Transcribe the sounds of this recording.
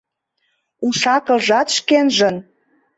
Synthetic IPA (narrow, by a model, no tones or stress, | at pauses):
uʃɑkə̆lʒɑt̪ʃkenʒən